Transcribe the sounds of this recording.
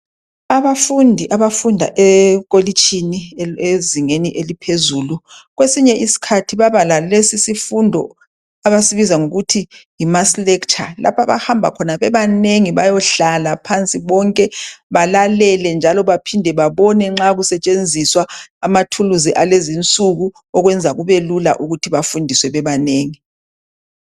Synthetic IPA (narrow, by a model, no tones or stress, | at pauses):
aβafundʱiʔaβafundʱa̰ʔɛɣolit͡ʃʰʼinieziŋeniʔelipʰezuːluɣwesiɲɛʔisi̥kʰatʰiβaβalalesisifundʱɔ̰ | aβasiβizaŋoɣutʰijimaslɛkt͡ʃʼa̰la̰pʰaβa̰hambʱa̰kʰɔnaβɛβaneŋiβajɔɬalapʰant͡sʼiβɔŋkʼɛβalalɛlɛnd͡ʒʱalɔβapʰindʱɛβaβɔnɛŋ͡ǁaɣusɛt͡ʃʼend͡zʱiswaːmatʰuluziʔalezint͡sʼuɣu | ɔɣwɛnd͡zʱaɣuβelula̰ʔuɣutʰiβafundʱiswɛβɛβaneːŋi